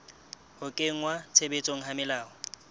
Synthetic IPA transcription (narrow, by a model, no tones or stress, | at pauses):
hʊkʼeŋ̩ŋwat͡sʰebet͡sʼoŋ̩ɦamɪlaːɔ